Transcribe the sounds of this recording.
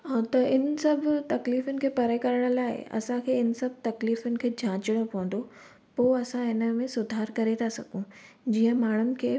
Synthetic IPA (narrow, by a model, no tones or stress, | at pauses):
t̪ɐɪnəsɐbʱt̪ɐkliːfʊnɪ̆kʰeːpɐɾəekɐɾəɽ̃ʊ̆laːɪ̰ɐ̰sãkʰeːɪnə̆sɐbʱt̪ɐkliːfʊnɪ̆kʰeːd͡ʑʱãːt͡ɕɪɽ̃opɐʋə̃n̆d̪o | poːɐsãɪnə̆mẽsʊd̪ʱaːɾkɐɾet̪ʰasɐɡʱũ | d͡ʑiːə̃maːɳ̤ʊnɪ̆kʰeː